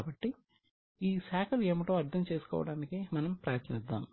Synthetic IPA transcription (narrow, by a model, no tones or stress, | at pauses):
bɐʈːi | iːsaːkʰɐlueːmiʈo̞ːɐɾd̪ʱɐmt͡ʃeːsu̥kɔ̰ːʋɐ̰ɽaːnikimɐnɐmpɾaːjɐɾt̪ʰɐnid̪ːa̰ːm